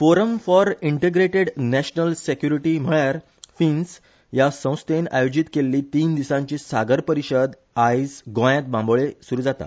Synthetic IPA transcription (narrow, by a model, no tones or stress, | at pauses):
foɾəmfɔɾiɳʈeɡɾeʈeɖnæɕnəlsekjuɾiʈiːm̤əɭjaɾ | fins | jasə̃w̃st̪ena̰jod͡ʑit̪kelːiːt̪iːnd̪isãɲt͡ɕiːsaɡəɾpəɾiɕəd̪ | ajd͡zɡõjjãt̪̚bãmbɭesuɾuːd͡zat̪a̰